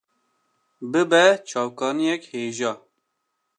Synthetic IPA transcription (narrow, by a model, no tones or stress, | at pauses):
bɨbɛt͡ʃʰɑːwkɑːnijɛkheːʒɑː